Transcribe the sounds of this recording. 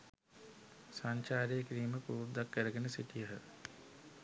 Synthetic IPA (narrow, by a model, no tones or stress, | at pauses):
saɲt͡ʃaːɾejəkiɾiːməpuːrd̪akːəɾəɡenəsiʈijəɦə